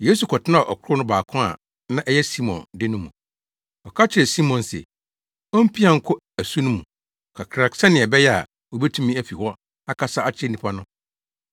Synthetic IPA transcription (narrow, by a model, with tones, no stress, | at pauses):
jeː˦s̬u˨kʰɔ˨tɪ˦nã˦˨ʔɔ̰˨kʰʊ˦ɾʊ˦nʊ̃˦baː˨kʰʊ̃˦a̰˨ | nã˦ʔɛ˦jɛ˦si˦mɔ̰̃˨ndɪ˦nʊ̃˦mũ˨ | ɔ˨kʰa˦t͡ɕʰɪ˨ɾɛ˨si˦mɔ̃˨nsɛ̰˨ | ɔ̃˦m̩˦pʰi˦ã˨ŋ̩˦kʰʊ˦ | æ˨su˦nʊ̃˦mũ˨ | kʰa˨kʰɾa˨ksã˦nɪ̃˨ɛ˨bɛ˦jɛ˦a̰˨ | wo˨bɛ˦tʰũ˦mĩ˦æ˦fi˨hɔ˦ | a˦kʰa˦sa˦a˦t͡ɕʰɪ˦ɛ˦nĩ˨pʰa˦nʊ̃˦